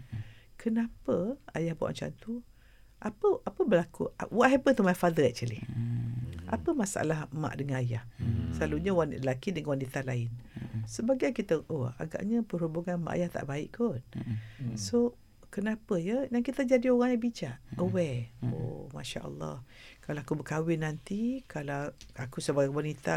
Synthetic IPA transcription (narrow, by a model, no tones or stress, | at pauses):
kʰənapəajahba̰ʔa̰nt͡ʃa̰nt̪u | ʔapəʔapəbəlakuawaʔɦɛpət̪umafad̪əɛt͡ʃəlḭh | ʔa̰pəmasaʔa̰lahma̰ʔdəŋanajahsəlaluɲəwanəlakidəŋawanit̪alaɪnsəbaɡakit̪əʔoa̰ɡa̰ʔɲəpəɦubuŋanma̰ʔa̰jaht̪a̰ʔbaɪʔkʰon | so | kənapəjəjaŋkit̪əd͡ʒadioɣaŋɲabit͡ʃaʔəwɛo̰ma̰ʃa̰ʔə̰lːɑ̰h | kalaakubəkawɪnant̪ikalaakusəbaɡawanit̪a